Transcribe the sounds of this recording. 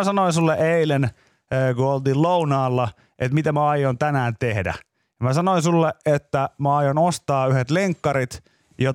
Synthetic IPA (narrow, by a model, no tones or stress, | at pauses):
sɑnoinsulːeʔeilenː | kuolt̪iːlounɑːlːɑ | ʔet̪mit̪æmæɑjːont̪ænæːnt̪ehdæ̰ | jɑmæsɑnoinsulːeʔet̪ːæmæɑjonost̪ɑːyhet̪leŋkːɑɾit̪ | jo